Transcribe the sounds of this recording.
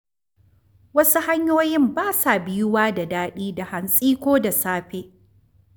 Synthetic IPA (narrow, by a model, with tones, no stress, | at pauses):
wɐ˦su˦ha˦ɲjoː˦jɪ˦mbaː˦sa˨bɪ˦jʊ˦waː˦da˨daː˦ɗiː˦da˨ha˨nsʼiː˦kʷoː˦da˨saː˦ɸeː˦